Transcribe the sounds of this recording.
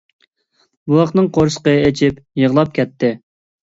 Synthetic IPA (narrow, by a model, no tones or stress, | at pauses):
buwɑχnɨŋqʰoɾsə̥qəet͡ʃʰip | jəʁlˠɑp̚kʲɛt̪ʰːɪ